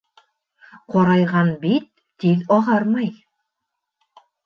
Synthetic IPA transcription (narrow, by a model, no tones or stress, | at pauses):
qɒɾɑjʁɑnbit̪̚ːiðɒʁɑɾmɑj